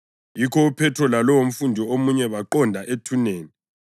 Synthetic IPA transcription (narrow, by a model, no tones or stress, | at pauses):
jikʰɔupʰɛtʰɔlalɔwom̩fundʱiomuɲɛβaǃɔndʱaʔetʰuneːni